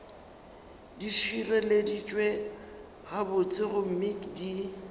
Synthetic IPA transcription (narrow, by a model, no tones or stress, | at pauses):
diʃirɛledit͡ʃʼwe | ɣabʊt͡sʼɪɣʊm̩mɪkdi